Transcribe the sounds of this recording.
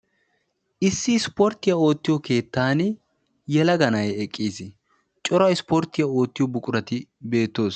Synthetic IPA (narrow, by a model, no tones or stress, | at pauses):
ʔɪsːɪspoːɾt̪ːɪjao̞ːt̪ːɪjɔke̞ːt̪ːaːn | jɛlɐɡɐnɐjɛkʼːiːsɪ | t͡ʃʼɔɾɐɪspoːɾt̪ːɪjao̞ːt̪ːɪjɔbʊkʼʊɾɐt̪ɪbe̞ːt̪ːo̞ːs